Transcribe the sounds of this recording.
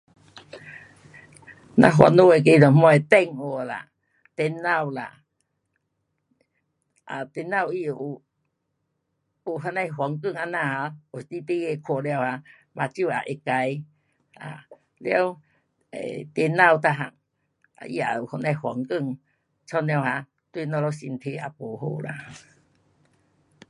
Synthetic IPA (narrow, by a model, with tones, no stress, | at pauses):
nã̰˧ɦwa̰˧no˧˦e˨˧˨k̬e˧d̪ɔ˨m˦˧a˧e˨t̪ɛ˧ŋo˨la̰˨ | t̪e˧˦nːa˧˨wla̰˨ | ʔa˨t̪e˧na˧˨wi˧˨ʔu˨ | u˨˩ɦa˧nã˧jɦwa˨˦ŋkɨ˦˧˨ŋa˧nã˧˨ha˧o˨st̪i˧˦t̪i˧˦e˧kʰɔ˨lja˧˨wha˧ | mã˨˧t͡ɕju˧˨a̰˨ʔe˧ka˧˦j | a̰˨ | lja˧˦w | ḛ˨t̪e˧nːa˥˧˨wt̪a˧ɦa̰˨˩ŋ | a̰˧˨ʔḭ˧a̰˨u˨hɔ˧nã˧jhwa˨˦ŋkɨ˧˨ŋ | t͡sʰɔ˧˦nj̃a˧wɦã˧ | t̪we˦˧nɔ˧lɔ˧si˧nt̪ʰe˧a̰˨po˨ɦo̰˧˨la̰˨